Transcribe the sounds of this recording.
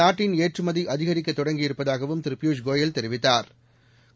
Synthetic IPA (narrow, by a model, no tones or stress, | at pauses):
aːʈːɪneːʈrɯmɐðiʔɐðɪɣɐɾɪk̬ːɐt̪ːɔɽɐŋɡɪjɪɾɯpːɐðaːɣɐʋɯmt̪ɪɾɪpːɪjuːʂɡoːjɐlt̪ɛɾɪʋɪt̪ːaːɾ